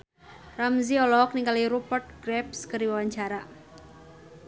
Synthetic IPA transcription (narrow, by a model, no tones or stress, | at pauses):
ramziɔlɔk̚niŋkaliɾupɔrt̪̚ɡɾɛp̚skɨriwawaɲt͡ʃaɾa